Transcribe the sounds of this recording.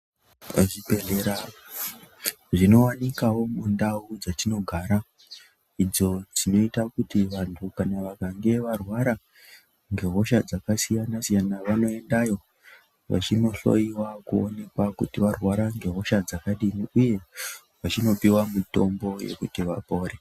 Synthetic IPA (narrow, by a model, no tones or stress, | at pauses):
ʐipeɮeɾa | ʐino̞wanikawo̞mundaud͡zatino̞ɡʱaːɾa | id͡zo̞d͡zino̞itakutiʋantʰukanaʋakaŋɡe̞ʋarwaɾa | ŋɡe̞ɦo̞ʃad͡zakasijanasijanaʋano̞e̞ndajo̞ | ʋa̰t͡ʃino̞ɬo̞̰jiwakuo̰ne̞kwakutiʋarwaɾaŋɡe̞ɦo̞ʃad͡zakaɗiniuje̞ | ʋat͡ʃino̞piwamuto̞mbo̞je̞̰kutiʋapo̞ːɾe